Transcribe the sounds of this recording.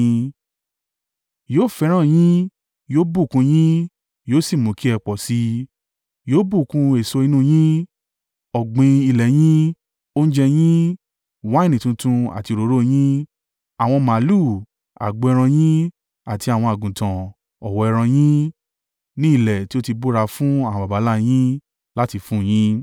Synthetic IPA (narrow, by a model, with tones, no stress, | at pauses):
joː˦fɛ˧˦ɾ̃ã˦˨j̃ĩ˦ | joː˦bu˦˨kũ˧j̃ĩ˦ | joː˦si˦˨mõ˨˦ki˦ɛ˧k͡pɔ˨si˧˦ | joː˦bu˦˨kũ˧e˨so˧i˧˦nũ˦˨j̃ĩ˦ | ɔ˨ɡ͡bĩ˧i˧˨lɛ˨j̃ĩ˦ | o˦n̩˦d͡ʒɛ˧j̃ĩ˦ | wa˦i˦˨nĩ˨tũ˧tũ˧a̰˨ti˧ɾo˨˦ɾo˦˨j̃ĩ˦ | a˨w̃ɔ̃˧mã˨˦lu˦˨ | a̰˨ɡ͡bo˨˧ɛ˧ɾ̃ã˧j̃ĩ˦ | a˨ti˧a˨w̃ɔ̃˧a˨ɡũ˨tã˨ | ɔ˨wɔ˧ɛ˧ɾ̃ã˧j̃ĩ˦ | nĩ˦i˦˨lɛ˨ti˦o˦ti˧bo˦ɾa˧fũ˦a˨w̃ba˨ba˨˦la˦j̃ĩ˦ | la˦ti˧fũ˦˨j̃ĩ˦